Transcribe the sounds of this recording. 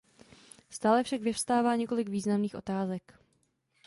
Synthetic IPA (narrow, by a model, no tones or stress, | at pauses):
st̪aːlɛfʃakvɪfst̪aːvaːɲɛko̞lɪɡviːznamniːxʔo̞t̪aːzɛk